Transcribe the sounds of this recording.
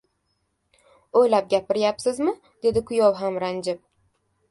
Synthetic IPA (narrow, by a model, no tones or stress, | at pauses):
ojlap̚ɡʲapɪɾjapsɪzmɪ | d̪̥e̞d̪ɪkʰʊjɒwɦamɾand͡ʒɪp̚